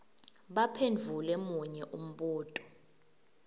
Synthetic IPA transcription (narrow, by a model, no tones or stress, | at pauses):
ɓapʰend͡ɮʱulɛmuɲɛʔum̩ɓuːtʼɔ̥